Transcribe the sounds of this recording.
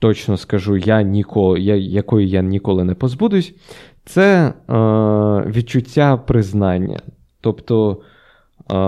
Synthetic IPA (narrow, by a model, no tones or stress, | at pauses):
t̪ɔt͡ʃnɔskɐʒujanʲikʰɔjajɐkɔjijanʲikɔlˠɪnɛpɔzbud̪ʊjʊsʲ | t̪sɛ | ʋʲid̪̚t͡ʃʊtʲːapɾɪznɑnʲːɐ̰ | t̪ɔpt̪ɔ